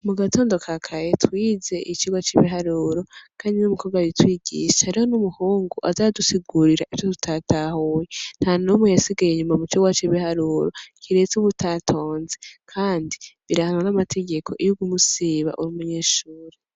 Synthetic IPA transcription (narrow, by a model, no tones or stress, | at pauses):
muɡato̞ːndo̞kʰakʰajetwiːze̞ʔit͡ʃiɡwat͡ʃiβiɦaɾuɾo̞kʰaːndinumukoɡwaitwiːɟḭʃehaɾiho̞numuhuːŋɡuʔazadusiɡuɾiɾaʔi̥jotu̥tʰatahujen̥hanomwujasiɡajeɲumamut͡ʃiɡwat͡ʃiβihaɾuːɾo̞kʰiɾe̞t͡suβutʰatʰo̞ːnzekʰaːndiβiɾahananamatʰe̞ɡe̞kʰo̞ʔijuɡumusiβa̰ʔuɾumuɲe̞ːʃuːɾe